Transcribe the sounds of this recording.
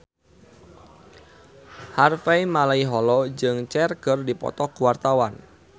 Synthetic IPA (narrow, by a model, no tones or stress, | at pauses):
harfeimalaiɦɔlɔd͡ʒɨŋt͡ʃɛrɡ̥ərdipɔ̰t̪ɔɡuwart̪awan